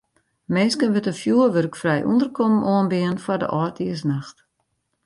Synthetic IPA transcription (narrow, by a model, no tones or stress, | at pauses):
meːskənʋətənfjuəʋørkfrɛjʔṵndərkʰɔmnoənbɪənfardə̰ʔɔːtʰiəsnaxt